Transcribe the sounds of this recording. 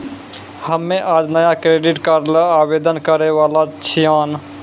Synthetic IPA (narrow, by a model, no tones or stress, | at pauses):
həmːẽʔaːd͡ʒnəjakɾeːɖiʈkəɾləaːbeːd̪ənkəɾeʋaːlat͡ʃʰijãːn